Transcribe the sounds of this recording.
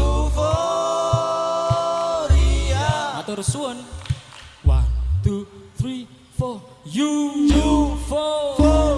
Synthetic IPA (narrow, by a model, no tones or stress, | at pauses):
fo | ɾiaat̪ɔɾsuən | want̪uθɾi | fɔ | jujufo